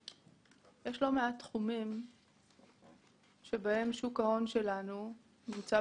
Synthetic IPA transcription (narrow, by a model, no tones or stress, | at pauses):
jeʃlo̞meatːχumim | ʃe̞bae̞mʃukao̞nʃe̞lanu | nimt͡sa